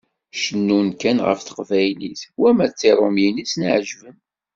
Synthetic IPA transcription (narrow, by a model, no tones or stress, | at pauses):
ʃənːunkænʁə̰fθə̥qvæjlḭθwæmæt͡sːiɾˤomjinisnəʕʒvəm